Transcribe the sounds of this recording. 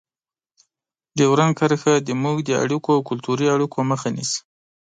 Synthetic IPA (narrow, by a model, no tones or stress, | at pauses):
d̪əwɾaŋkaɾxad̪əmuɡd̪əa̰ɽikoawkʊlt̪uɾiaɽikoməxanḭs